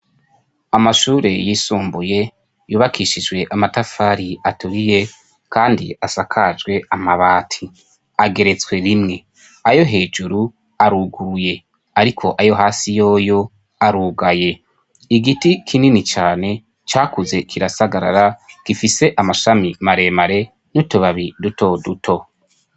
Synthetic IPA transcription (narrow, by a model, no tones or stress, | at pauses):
amaʃuːɾe̞jisuːmbuje̞ | juːβakʰiːʃid͡ʒɡwe̞ʔamatafaːɾiatuɾije̞ | kaːndḭasakʰad͡ʒɡwe̞amaβaːtʰi | aɡe̞ɾe̞t͡swe̞ɾimŋe̞ | ajo̞ɦe̞ːd͡ʒuɾu | aɾuːɡuɾuje̞ | aɾikʰo̞ʔajo̞ɦaːsijo̞ːjo̞ | aɾuːɡaje̞ | iɡitikʰininit͡ʃaːne̞ | t͡ʃaːkuze̞kʰiɾasaɡaɾa̰ɾakifise̞ʔamaʃamimaɾe̞maɾe̞ | nutuβaβiduto̞dutʰo̞